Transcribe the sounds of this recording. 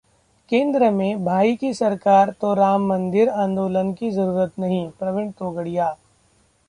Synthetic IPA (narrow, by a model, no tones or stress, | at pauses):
kẽːnd̪ɾəmẽbʱaːikisɐɾkaːɾt̪oɾaːmːɐ̃nd̪ɪɾãːnd̪oːlənkizɐɾuːɾət̪nɐɦĩpɾɐʋɪɳt̪oːɡəɽijaː